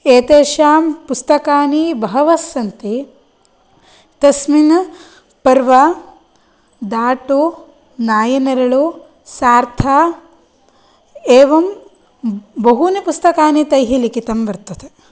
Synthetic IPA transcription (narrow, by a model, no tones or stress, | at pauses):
eːt̪eːʃaːmpust̪ɐkaːnibɐɦɐʋɐsːɐnt̪i | t̪ɐsmin | pɐɾʋɐ | d̪aːʈu | naːjɐnɐɾɐɭu | saːɾt̪ʰaː | eːʋɐm | bɐɦunipust̪ɐkaːnit̪ɐjɦilikit̪ɐmʋɐɾt̪ɐd̪e